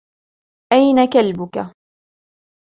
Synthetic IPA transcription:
ʔajnakalbʊka

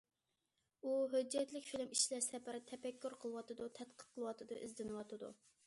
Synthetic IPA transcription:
uɦød͡ʒːɛt̪lɪkʲfilɪmiʃlæsɛpæɾɪt̪ʰɛpɛkʲːyɾqʰəlˠɨwɑt̪ɨd̪ut̪ʰɛt̪̚qʰə̥qqʰəlˠɨwɑt̪ʰɨd̪ɨ̰ʔɪzd̪ɪnɨwɑt̪ʰɨd̪ṵ

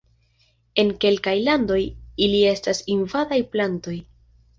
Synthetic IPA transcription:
e̞nke̞lkajlando̞jilie̞stasinvadajplanto̞j

